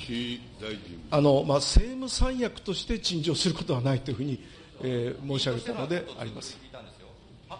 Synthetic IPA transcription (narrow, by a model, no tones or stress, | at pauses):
ano̞mase̞ːmɯ̟sãɰ̃jakɯ̟̥t̪o̞ɕi̥t̪e̞t͡ɕĩɲd͡ʑo̞ːsɨɾɯko̞t̪o̞βanait̪ːoiɯ̟ɸɯ̟ːɲ̟i | eːmo̞ːɕiaɡe̞t̪anod̪e̞a̰ɾʲima̰sɨ̥